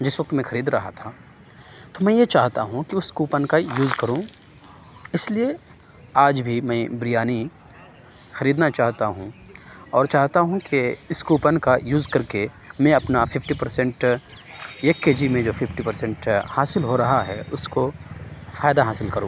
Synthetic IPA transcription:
d͡ʒɪsʋɐk̚t̪mɛ̃xɐɾiːd̪ɾɐɦa̰t̪ʰa | t̪omɛ̃jet͡ʃaːɦt̪a̰ɦũkiʊskuːpənkajuːzkɐɾũ | ɪslie | aːd͡ʒbʱimɛ̃bɾijaːni | xɐɾiːd̪nat͡ʃaːɦt̪aɦṵ̃ɔːɾt͡ʃaːɦt̪aɦũkiɪskuːpənkajuːzkɐɾke | mɛ̃ɐpnafɪfʈipɐɾsɛ̃ɳʈ | eːkːeːd͡ʒimẽd͡ʒoːfɪfʈipɐɾsɛ̃ɳʈhaːsɪlɦoɾɐɦaɦɛ̰ʊsko | faːjd̪aɦaːsɪlkɐɾũː

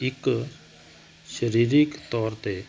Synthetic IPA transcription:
ik | ʃəɾiːɾikt̪ɔːɾt̪e

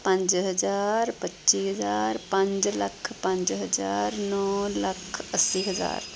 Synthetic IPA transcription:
pə̃nt͡ʃɦəd͡ʒaɾpətːt͡ʃiɦəd͡ʒaɾpə̃nt͡ʃlə̰kʰpə̃nt͡ʃɦəd͡ʒaɾnɔləkʰəsiɦəd͡ʒa̰ːɾ

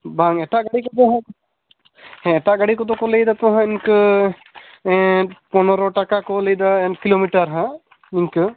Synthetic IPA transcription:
baŋeʈaɡɐɽikot̪oɦ | ɦɛ̃eʈaɡɐɽikot̪okolejd̪at̪oɦãɪnk | ponɾoʈɐkakolejd̪akiloːmiʈəɾɦã | ɪnkɨ

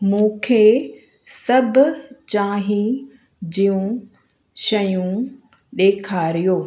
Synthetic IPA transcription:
mũːkʰeː | sɐbʱʊt͡ɕãːɦĩ | d͡ʑiːũ | ʃɐjũ | ɗeːkʰaːɾijoː

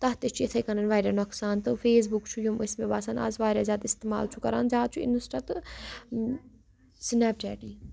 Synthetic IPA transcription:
t̪ɐɦt̪et͡ʃʰuet̪ʰɐjkɐnɐnʋaːjɾanɔkʰsaːnt̪ɨfʰeːs̬bukt͡ʃʰujuməsmẽba̰ːsanɐ̰zʋaːɾjaːzjaːt̪ɪst̪eːma̰ːlt͡ʃʰukɐɾa̰ːnzʲaːd̪t͡ʃʰuɪ̰nɐsʈat̪ɨ | snɛp̚ʈɛ̰ːʈiː

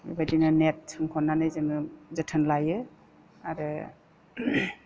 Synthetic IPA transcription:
ibajdinɯnet̚ʰɯŋkʰɔnːanɯjzɯŋɯzɯtʰɯnlajɯ | aɾɯ

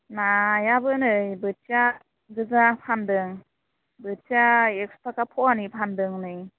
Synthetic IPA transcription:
najabɯnɯjbɯt͡ʃja | ɡɯzapʰandɯŋ | bɯt͡ʃaekspʰakapʰɔanipʰandɯŋnɯj

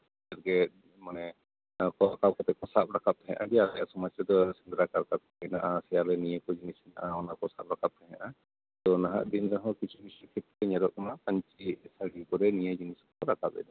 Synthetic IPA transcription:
ɛɾɡɛ | manɛ | kɔakap̚kɔt̪ɛkɔsap̚ɾakap̪̚ɦɛ̰̃ʔaɡɛalajasɔmat͡ʃɾɛd̪ɔsind̪ɾakaɾkat̪̚kɔɛna̰ʔasɛjalɛnijəkɔd͡ʒinisɛna̰ʔaɔnakɔsap̚ɾakap̚ɛɦɛʔa | t̪ɔnaɦa̰ʔd̪inɾaɦɔ̃kit͡ʃʰubisikʰit̪̚ɛɲaɾɔʔnakaɲt͡ʃisaɽikɔɾɛnijəd͡ʒiniskɔɾakapɛ̰d̪ɔ

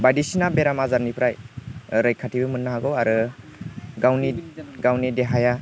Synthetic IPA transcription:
bajdisinabeɾamazaɾnipʰɾajɾajkʰatʰibɯmɯnːaɦaɡɔwaɾɯ | ɡawniɡawnideɦaja

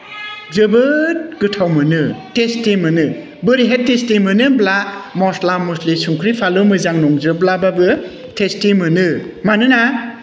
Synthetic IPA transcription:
zɯbɯt̚ɡɯtʰawmɯnɯtestimɯnɯ | bɯɾiɦettːestimɯnɯblamɔslamuslisuŋkʰɾipʰalɯmɯzaŋnɔŋzɯblababɯ | tʰestimɯnɯmanɯna

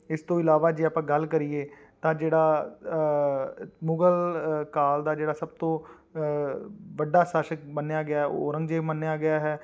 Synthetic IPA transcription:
ɪst̪õːɪlaːʋaːd͡ʒeːaːpãːɡəlkəɾiːeː | t̪ãːd͡ʒeːɽaː | mʊɡəlkaːld̪aːd͡ʒeːɽaːsəb̚t̪õː | ʋəɖːaːsaːʃək̚bənejaːɡɪjaːɦɛo̰ːɾə̃ŋɡd͡ʒeːmənːejaːɡɪjaːɦɛː

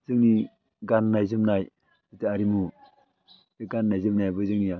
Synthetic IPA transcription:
zɯŋni | ɡanːajzɯmnaj | itɯaɾimu | eɡanːajzɯmnajbɯzɯŋnija

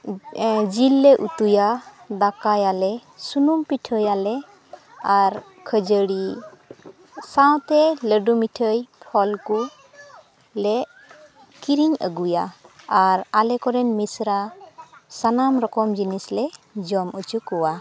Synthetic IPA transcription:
d͡ʒilːɛʔut̪ujad̪akajalɛsunumpiʈʰəjalɛ | aɾ | kʰəd͡ʒəɽi | saw̃t̪ɛləɖumitʰəjpʰɔlku | lɛʔ | kiɾiŋə̰ɡujaː | ɾalɛkɔɾɛnmisɾa | sanamɾɔkɔmd͡ʒinislɛd͡ʒɔmut͡ʃukɔwa

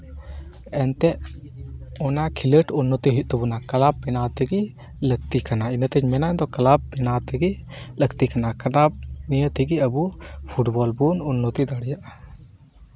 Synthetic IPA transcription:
ɛnt̪ɛʔ | ɔnakʰiləʈunːɔt̪iɦit̪̚ˀt̪ɛbunakɐlabːɛnat̪ɛɡi | ləɡt̪ikanainət̪əd͡ʒmɛnaɛd̪ɔkɐlab̚bɛnat̪ɛɡiləɡt̪ikanakɐnab̚nijət̪iɡiəbupʰuʈbɔlbununːɔt̪id̪aɽjaʔa

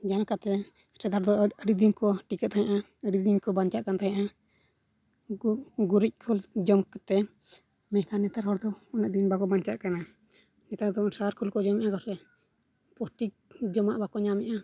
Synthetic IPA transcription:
d͡ʒankat̪ɛ | sɛd̪aɾd̪ɔəɾid̪iɲkɔʈikɛʔ̪̚t̪ʰaɲaʔa | əɾid̪iɲkɔbaɲt͡ʃaʔkant̪aɲaʔa | ɡuɾic̚kʰuld͡ʒɔmkɛt̪ɛ | mɛhkanɛt̪aɾɦɔɾd̪ɔɔnɛʔd̪inbakɔbaɲt͡ʃaʔkana | nɛt̪aɾd̪ɔsaɾkʰulkɔd͡ʒɔmɛʔakɔsɛ | pɔsʈi | d͡ʒɔmaʔbakɔɲamɛʔa

